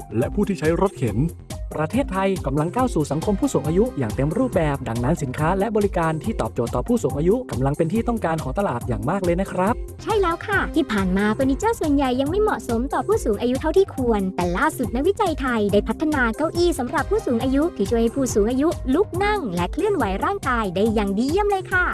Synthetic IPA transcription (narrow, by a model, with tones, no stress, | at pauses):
lɛ˦˥ʔpʰuː˥˩t̪ʰiː˥˩t͡ɕʰa˦˥jɾo˦˥t̪̚kʰe˨˩˦n | pɾa˧t̪ʰeː˥˩t̪ʰːa˧jka˧mla˧ŋkaː˥˩wsuː˨˩sa˩˦ŋkʰo˧mpʰuː˥˩suː˩˦ŋʔaː˧ju˦˥jaː˨˩ŋt̪e˧mɾuː˥˩p̚bɛː˨˩p̚da˧ŋna˦˥nsi˩˦nkʰaː˦˥lɛ˦˥ʔbɔː˧ɾi˦˥kaː˧nt̪ʰiː˥˩ɔː˨˩p̚t͡ɕoː˨˩t̪ːɔː˨˩pʰuː˥˩suː˩˦ŋʔaː˧ju˦˥ka˧mla˧ŋpe˧nt̪ʰiː˥˩t̪ɔ˥˩ŋkaː˧nkʰɔː˩˦t̪a˧laː˨˩t̪̚ja̰ː˨˩ŋmaː˥˩k̚lɤː˧jna˦˥kʰɾa˦˥p̚t͡ɕʰa˥˩jlɛː˦˥wkʰa˥˩t̪ʰiː˥˩pʰaː˨˩nmaː˧t̪oː˧ni˦˥t͡ɕaː˥˩su˨˩ənja˨˩jːa˧ŋma˥˩jmɔ˨˩ʔso˨˩˦mt̪ɔː˨˩pʰuː˥˩suː˩˦ŋʔaː˧ju˦˥t̪ʰa˥˩wt̪ʰiː˥˩kʰu˧ənt̪ɛː˨˩laː˥˩su˨˩t̪̚na˦˥wi˦˥t͡ɕa˧jt̪ʰa˧jda˥˩jpʰa˦˥t̪ʰːa˧naː˧ka˧wʔiː˧˩sa˩˦mɾa˨˩pʰːuː˥˩suː˩˦ŋʔaː˧ju˦˥t̪ʰiː˧˩t͡ɕʰu˥˩ha˥˩jpʰuː˥˩suː˩˦ŋʔaː˧ju˦˥lu˦˥k̚na˥˩ŋlɛ˦˥kʰlɯ˥˩ənwa˩˦jɾaː˥˩ŋkaː˧jda˥˩jːaː˨˩ŋdi˧˥˧mlɤː˧jkʰa˥˩